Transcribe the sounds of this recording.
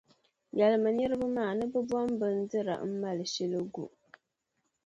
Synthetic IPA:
jɛ˨lɨ˨mɨ˨nɛ˦ɾɨ˦bɨ˦maː˦˨nɨ˦bɨ˦bɔ˦mbɨ˦n̩˦dɨ˦ɾa̰˨m̩˦ma˦lɨ˨ʃi˦lɨ˦ɡṵ˨ʔ

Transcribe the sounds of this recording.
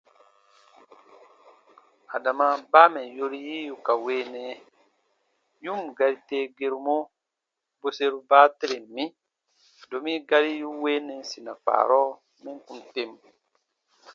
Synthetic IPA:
a˨da˨ma˨ba˦mɛ˨jo˦ɾi˦ji˦ju˨ka˨weː˦nɛ˨ | ju˦mɡa˨ɾi˨te˦ɡe˦ɾu˨mo˦ | bo˦se˦ɾu˦baː˦te˦ɾe˨mmĩ˦ | do˨mi˦ɡa˦ɾi˦ju˦we˦nɛ˨si˨na˨k͡pa̰ː˨ɾɔ˦ | mɛ˦ŋku˨nte˦m

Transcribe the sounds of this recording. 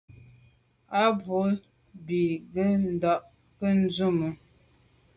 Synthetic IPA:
a˦bo˨˦ | bi˨ɡə˦n̩˨dɔ˦ʔ | kə˦n̩˦zu˦˨mə˨

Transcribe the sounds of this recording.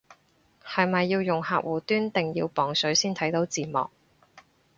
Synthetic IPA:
hɐ˨jmɐ˨jːiː˧wjʊ˨ŋhaː˧k̚wuː˨t̪yː˥nt̪ɪ˨ŋjḭ˧wpɔː˨˩ŋsɵ˨˥ɥsiː˥nt̪ʰɐ˨˥jt̪o˨˥wt͡siː˨mɔ̰ː˨k̚

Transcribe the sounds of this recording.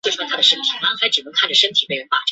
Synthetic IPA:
wʂwt̪ʰa˥ə˨˩ʂə˥nt̪ʰi˨˩mɐ˦xa˧˥ɪʈ͡ʂɻ̩˨˩nə˧˥ŋkʰa˥˩nʈ͡ʂə˨˩ʂə˥nt̪ʰi˨˩pe˥ɪɥɛ˧˥npa̰˥˩

